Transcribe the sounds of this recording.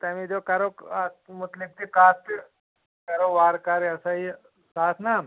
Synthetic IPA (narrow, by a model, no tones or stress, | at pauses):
t̪amid̪okɐɾokmut̪lik̚t̪ikaːt̪ | kɐɾoʋaɾkaɾiɐsaɦi | saːsna